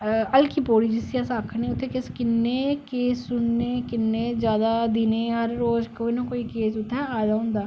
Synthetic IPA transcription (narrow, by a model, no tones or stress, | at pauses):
əlkiːpoːɽiːd͡ʒɪsijaːsaːkʰnẽːʊt̪ʰːẽːkɪskɪnːeːkeːsːʊnːeːkɪnːeːzjaːd̪aːd̪ɪneːɦəɾːoːd͡ʒkoːinãːkoːikeːsʊt̪ʰːɛ̃ːaːd̪aːɦʊ̃nd̪aː